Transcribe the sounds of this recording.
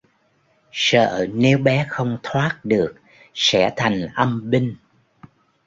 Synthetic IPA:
sə̰ː˧˨˧ne˨˦wɓɛ˨˦xə˧wŋ͡mt̪ʰwaː˦˥t̚ɗɨ˨˩ək̚ | sɛ̰˧˥t̪ʰa˨˩jŋ̟ʔə˧mɓï˧ŋ̟

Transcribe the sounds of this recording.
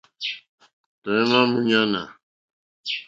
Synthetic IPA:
t̪oẽ˦mãːmuɲãː˦na̰˨

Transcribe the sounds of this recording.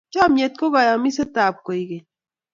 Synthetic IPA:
t͡ʃa˦mje˦t̪̚ko˦ɡa˨ja˨mi˦set̪aː˨p̚ko˨iɡɐ˨j

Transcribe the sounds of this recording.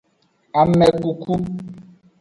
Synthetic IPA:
a˨mɛ˨ku˨ku˦

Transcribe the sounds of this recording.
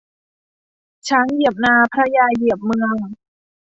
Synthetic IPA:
t͡ɕʰa˦˥nji˨˩əp̚naː˧pʰɾa˧jaː˧ji˨˩əp̚mɯ˧əŋ

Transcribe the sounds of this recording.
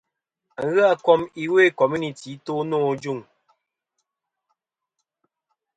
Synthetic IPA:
ŋ̩˨˦ɣɨ˦a˦kɔ˦mi˦we˦˨kɔ˨mi˦ni˨ti˨˦to˦nɔː˦˨d͡ʒu˦˨ŋ

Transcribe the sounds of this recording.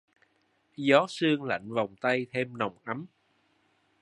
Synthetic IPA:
zɔ˨˦sɨ˧əŋla̰˧˨jŋ̟va˨˩wŋ͡mt̪a˧jt̪ʰe˧mna˨˩wŋ͡mʔa˨˦m

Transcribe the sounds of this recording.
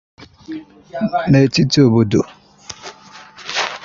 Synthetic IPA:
ne˨e˨ti˦ti˨˦o˨bo˨do˨

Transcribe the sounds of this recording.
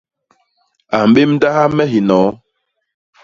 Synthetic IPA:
a˨m̩˨ɓe˦m˦da˦ha˦mɛ˦ɦi˨nɔː˨˦

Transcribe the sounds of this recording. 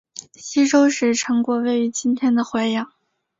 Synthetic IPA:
ɕi˥ʈ͡ʂo˥ʊʂɻ̩˥˩ʈ͡ʂʰɤ˧˥ŋkwɔ˥˧we˥˩ɪy˧˥t͡ɕi˥nt̪ʰjɛ˥nd̪ə˨xwe˧˥ɪjɑ˨˩ŋ

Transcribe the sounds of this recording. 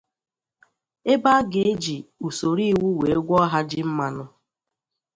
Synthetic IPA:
e˦ba˦ɡe˨e˦d͡ʒi˨u˨so˨ɾi˦˨wu˦we˨˦e˦ɡʷɔ˦ɦa˦d͡ʒɪ˦m̩˦ma˦nʊ˦

